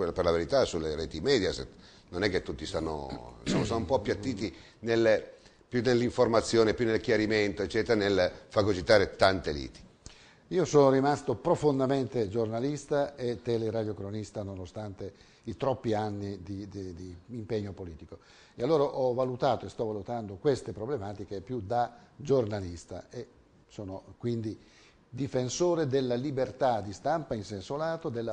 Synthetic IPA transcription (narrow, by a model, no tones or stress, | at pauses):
perlaveɾit̪asulːeɾɛːt̪imɛːd̪jasḛt̪ | nonɛkːet̪ːut̪ːisanːo̰somosɔnumpɔpːjat̪ːiːt̪i | nel | pjunːelːiɱformat̪sːjoːnepjunːelkjaɾiment̪oet͡ʃːɛːt̪eɾanelfaɡot͡ʃit̪aːɾet̪ant̪elḭːt̪i̥ | iːosoːnorimast̪opɾofond̪ament̪ed͡ʒornalist̪aet̪ːɛleɾad̪jokɾonist̪anonost̪ant̪e | it̪ɾɔpːianːid̪id̪d̪iːmpeɲːopoliːt̪iko | ealːoːɾaʔɔvalut̪aːt̪oest̪ɔvalut̪and̪okwest̪epɾoblemaːt̪ikepjud̪ad͡ʒornalist̪a̰e | soːnokwind̪i | d̪ifensoːɾed̪elːalibert̪ad̪ist̪ampainsensolaːt̪od̪elːa